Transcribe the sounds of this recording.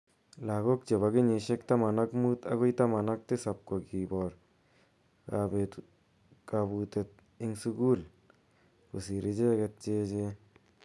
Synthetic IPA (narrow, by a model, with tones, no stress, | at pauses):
la˨ɡo˦k̚t͡ʃe˨βa˧ɡe˦ɲe˧ʃe˦kt̪a˦ma˨na˦kmu˦t̪a̰˦ɡo˦jt̪a˦ma˨na˦k̚t̪e˦sa˨p̚ko˨ɡi˨bo˨ɾ | a˧be˧ | ka˧bu˧t̪e˧t̪̚ | i˧ŋsu˧ɡu˦˨l | ku˨si˨ɾi˦d͡ʒe˦ɡe˧t̪̚t͡ʃe˦d͡ʒe˧